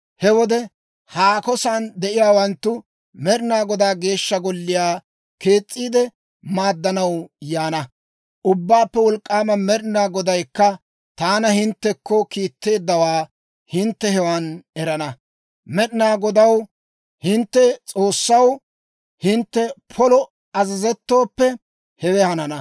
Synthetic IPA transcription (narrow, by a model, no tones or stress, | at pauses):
hɛwɔd̪ɛ | haːkɔsand̪ɛʔɪjaːwɐnt̪ːʊ | mɛɗɪnaːɡɔd̪aːɡe̞ːʃːɐɡɔlːɪjaː | ke̞ːt͡sʼːiːd̪ɛ | maːd̪ːɐnɐwjaːnɐ | ʔʊbːaːpːɛwɔlkʼːaːmɐmɛɾɪnaːɡɔd̪ɐjkːɐ | t̪aːnɐhɪnt̪ːɛkːɔkiːt̪ːe̞ːd̪ːɐwaː | hɪnt̪ːɛhɛwanɛɾɐnɐ | mɛɗɪnaːɡɔd̪ɐw | hɪnt̪ːɛt͡sʼo̞ːsːɐw | hɪnt̪ːɛpʰɔlɔ | ɐzɐzɛt̪ːo̞ːpːɛ | hɛwɛhɐnɐnɐ